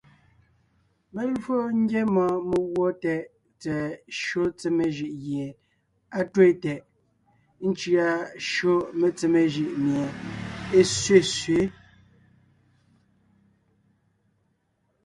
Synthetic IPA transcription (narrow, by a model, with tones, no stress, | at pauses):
me˦lfo˦ŋ̩˦ɡje˦mɔ̃˨me˨ɣwɔ˦tɛ˨ʔ | t͡sɛ˨ʃo˦t͡se˨me˨ʒi˨ʔɣje˨ | a˦twe˦˨tɛ˨ʔ | n̩˦t͡ʃi˦a˨ʃo˦me˨t͡se˨me˨ʒi˨ʔmje˨e˦sɥe˦˨sɥe˨˦